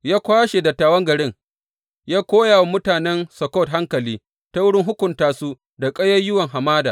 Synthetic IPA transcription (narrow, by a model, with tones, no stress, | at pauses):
jaː˦kʷaː˦ʃe˨dɐ˨tːaː˨wɐ˦ŋɡɐ˨ɽɪ˦ŋ | jaː˦kʷoː˦jaː˨wmʊ˦taː˨nɛ˦nsɐ˨kɔ˦˨t̚ɦa˦ŋkɐ˨liː˦ | ta˦wʊ˦ɽɪ˦ŋɦʊ˦kʷʊ˨ntaː˨suː˦ | da˨kʼɐ˦jɐ˦jʊ˦wɐ˨ŋɦa˨maː˦da̰ː˨